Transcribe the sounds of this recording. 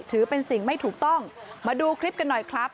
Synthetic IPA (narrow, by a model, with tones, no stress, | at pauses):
t̪ʰɯː˩˦pe˧nsi˨˩ŋma˥˩jt̪ʰuː˨˩k̚t̪ɔ˥˩ŋmaː˧duː˧kʰɾi˦˥p̚ka˧nːɔ˨˩jkʰɾa˦˥p̚